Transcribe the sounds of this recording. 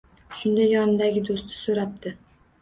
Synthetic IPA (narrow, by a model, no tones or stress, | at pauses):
ʃʊnd̪ajɒnɪd̪aɡʲɪd̪ost̪ʰɪ̥soɾap̚t̪ʰɪ